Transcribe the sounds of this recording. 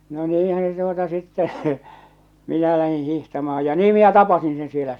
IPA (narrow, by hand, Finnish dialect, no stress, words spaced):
no niːhæn̞ se tuotɑ sitːɛ minæ læhĩː hihtɑmɑː jɑ niː minæ tɑpɑsin sen sielæ